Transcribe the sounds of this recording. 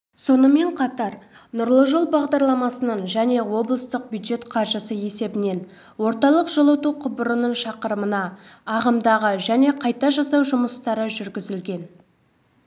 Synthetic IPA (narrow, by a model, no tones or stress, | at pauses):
so̞nəme̞ɴqʰɑt̪ɑɾ | nʊɾlˠəʒolˠbɑʁd̪ɑɾlˠɑmɑsənəɴʒæne̞wo̞blˠəst̪əq̚bʲjud̪ʒe̞t̪qʰɑɾʒəsəje̞se̞bɪne̞n | wo̞ɾt̪ɑlˠəqʒ̥əlˠət̪uqʰʊbəɾənəɴʃɑqəɾəmənɑːʁəmd̪ɑʁəʒæne̞qʰɑjt̪ɑʒɑsɑwʒʊməst̪ɑɾəʒʏɾɡʲɪzɪlɡʲe̞n